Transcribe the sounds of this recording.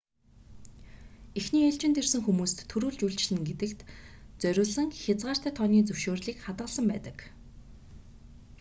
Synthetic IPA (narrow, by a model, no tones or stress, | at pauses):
exniːaɬt͡ɕɪ̆nt̪ʰersɘ̆ŋxumuːst̪ʰːɵɾuːɮt͡ɕuɬt͡ɕ̆ɮɘ̆ŋɡet̪ɘ̆kt̪t͡sœɾʲʊːɮə̆ŋxʲat͡sʁaːr̥t̪æːt̪ʰɔniːt͡sɵwʃoːrɮiːkχat̪ʁə̆ɮsə̆mpæ̰ːt̪ə̆k